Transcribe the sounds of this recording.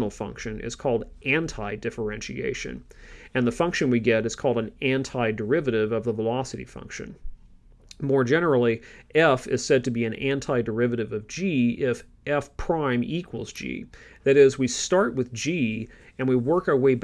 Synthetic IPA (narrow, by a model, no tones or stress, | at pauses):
nl̩ˠfʌ̰̃ŋkʃɨ̃nɪ̰z̥kʰɔlˠdʔæ̃ntʰaɪdɪfə˞ɛ̃nʃḭḛɪʃɨ̰̃nɨ̃nðəfʌ̃ŋkʃɨ̃nwiɡɛɾɨz̥kʰɔlˠdɨ̃n̩æ̃ntʰaɪdə˞ɪvɨɾɪvʌvðəvəlɑsɨɾḭfʌ̰̃ŋkʃɨ̰̃n | mɔɹd͡ʒɛnə˞l̩ˠiɛfɪ̰z̥sɛd̚tɨbiɨ̃næ̃ntʰaɪdə˞ɪvɨɾɨvʌvd͡ʒiɪfʔɛfpʰɹ̥ãɪ̃mikʰwl̩ˠzd͡ʒḭðɨɾɪzwistɑɹʔ̚wɨðd͡ʒiɨ̃nwiwɜ˞kaʊə˞weɪb